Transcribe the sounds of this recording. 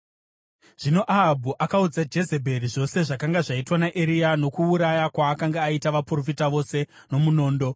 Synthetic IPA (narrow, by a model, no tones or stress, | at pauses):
ʐ̥ino̞ʔaɦabʱuʔakaud͡zad͡ʒe̞ze̞bʱe̞ɾiʐo̞se̞ʐakaŋɡaʐaitwanaʔeɾiano̞kuːɾajakwaːkaŋɡaaitaʋapuro̞fitaʋo̞se̞ | no̞muno̞ːndo̞